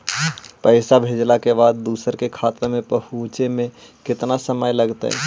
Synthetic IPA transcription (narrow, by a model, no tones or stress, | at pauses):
pəɪsabʱed͡ʒlakebad̪ːuːsəɾkekʰat̪ɾmẽpəɦut͡ʃemẽ | kɪt̪nasəməjləɡt̪ə̰